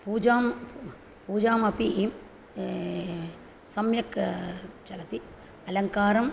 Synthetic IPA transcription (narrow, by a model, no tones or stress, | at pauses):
puːd͡ʒaːm | puːd͡ʒaːmɐpi | sɐmjɐk | t͡ʃɐlɐt̪i | ɐlɐŋkaːɾɐm